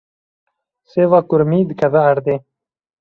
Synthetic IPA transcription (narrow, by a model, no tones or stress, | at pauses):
seːvaːkʊɾmiːd̪ɨkʰɐðɐɐɾd̪eː